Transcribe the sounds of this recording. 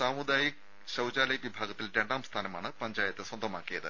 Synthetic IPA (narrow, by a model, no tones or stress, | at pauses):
saːmud̪aːjik̚ | ɕɐwd͡ʑaːlɐjʋibʱaːɡɐt̪ːilɾe̞ɳɖaːmst̪ʰaːnɐmaːɳɨpɐɲd͡ʑaːjɐt̪ːɨswɐnd̪ʱɐmaːkːijɐðɨ